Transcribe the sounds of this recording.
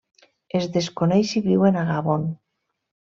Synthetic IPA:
ezðeskonejʃiβiwenaɣaβon

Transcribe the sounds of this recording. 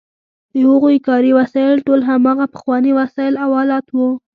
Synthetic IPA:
d̪əhəɣokɑɾiwasɑɪlʈolɦamɑɣapə̥xwɑniwasɑɪlawɑlɑt̪wu

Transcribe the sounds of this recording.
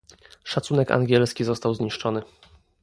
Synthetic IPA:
ʂat̪sunɛka̰ŋɡʲɛlskʲizɔst̪awzɲiʂt͡ʂɔnɘ

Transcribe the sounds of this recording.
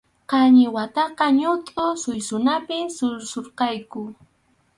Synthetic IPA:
qɑɲɪwat̪ɑqɑɲʊt̪ʼʊsʊjsʊnapɪsʊɾsoɾqɑjkʊ

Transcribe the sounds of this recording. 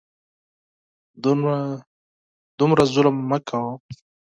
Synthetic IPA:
d̪ʊmɾazʊlmːakʰawa

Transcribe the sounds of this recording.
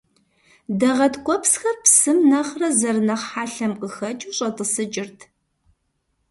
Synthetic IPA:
dɐʁɐtkʷʼɔpsxɐrpsɨmnɐχrɐzɐrɨnɐχħaːɬɐmqʼəxɐt͡ʃʼuːɕʼɐtʼɨsɨd͡ʒʼɪrtʰ

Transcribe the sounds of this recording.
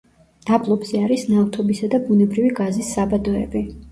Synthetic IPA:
d̪̥ablˠɔbz̥ɛaɾisnalt̪ʰɔbisad̪abunɛbɾiviɡazisːabad̪ɔɛ̰bi

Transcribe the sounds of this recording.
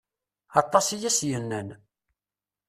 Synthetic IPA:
ɑt̪ˤːɑsijæsjənːæn

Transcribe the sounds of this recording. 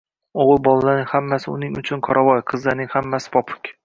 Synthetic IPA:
oʁɨlˠbɒlˠalanɪŋhamːasɪʊnɪŋʊt͡ʃʰʊnqʰɒɾʔavɒjqʰɨzlaɾnɪŋhamːasɪ̥pʰɒpʰʊ̥kʲ

